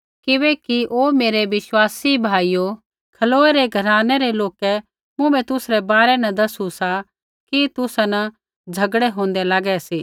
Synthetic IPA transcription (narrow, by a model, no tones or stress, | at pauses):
kɪβɛkiʔoːmeːɾeʋɪswaːsibʱaːijo | kʰɐloːɛɾeɡʱɐɾaːnɛɾeloːkɛ | mʊ̃bɛ̃t̪ʊsɾɛbaːɾɛnɐ̃d̪ɐsusa | kit̪ʊsanɐ | d͡zʱɐɡɽɛɦõːn̆d̪ɛlaːɡɛsiː